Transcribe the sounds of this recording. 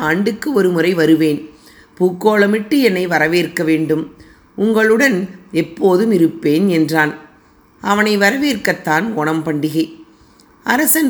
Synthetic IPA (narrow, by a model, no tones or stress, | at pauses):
aːɳɖɯkːɯɔɾɯmɯrɐɪʋɐɾɯʋeːn | puːkːoːɭɐmɪʈːɯɛnːɐɪʋɐɾɐʋeːɾkːɐʋeːɳɖɯm | ʊŋɡɐɭɯɽɐnɛpːoːðɯmɪɾɯpːeːnɛndraːn | ɐʋɐnɐɪʋɐɾɐʋeːrkɐt̪ːaːnɔɳɐmpɐɳɖɪɣɐɪ | ʔɐɾɐsɐn